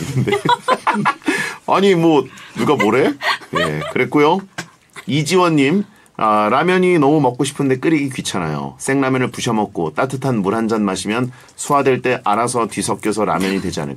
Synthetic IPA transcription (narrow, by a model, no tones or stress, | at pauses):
nde | aɲimwʌnuɡamoɾe̞je̞kɯɾe̞k͈ojo | id͡ʑiwʌɲːim | aɾamjʌɲinʌmumʌk͈̚oɕʰi̥pʰɯnde̞k͈ɯɾiɡikɥit͡ɕʰana̰jo̰s͈ʰeŋnamjʌnɯɭpuɕʰʌmʌk̚k͈ot͈atʰɯtʰanmuɾɦand͡ʑanmaɕʰimjʌn | sʰuadwe̞ɭt͈e̞ʔaɾasʰʌtɥisʰʌk͈̚jʌsʰʌɾa̰mjʌɲidwe̞d͡ʑia̰nɯ̰k